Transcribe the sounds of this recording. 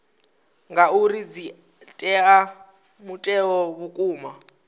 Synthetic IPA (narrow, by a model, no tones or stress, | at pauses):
ŋɡauɾid͡zi | tʼɛa | mutʼɛɔβukʼuːma